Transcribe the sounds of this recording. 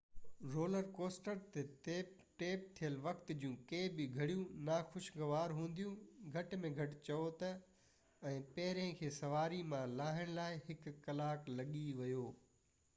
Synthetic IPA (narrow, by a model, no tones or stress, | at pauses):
ɾoːləɾkoːsʈəɾt̪ete | ʈeːp̚t̪ʰijəlʋɐkt̪d͡ʑũkeːbɪɡʱɐɽijũnaːxʊʃɡɐʋaːɾɦũːn̆d̪ijũɡʱɐʈmẽɡʱɐʈt͡ɕɐot̪ɐ | ɛ̃ːpɐɦɪɾẽkʰeːsɐʋaːɾimãlaːɦɪɽ̃laːɪɦɪkkɐlaːklɐɠiʋɐjoː